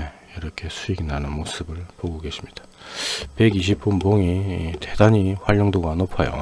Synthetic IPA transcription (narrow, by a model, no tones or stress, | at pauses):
e | iɾʌkʰe̞sʰuiɡnanɯnmos͈ʰɯbɯɭpoɡoɡe̞ɕʰimɲid̥ḁ | pe̞ɡiɕ̬ʰip̚p͈unboŋite̞daɲiɸwaʎːʌŋdoɡanopʰʌjo̰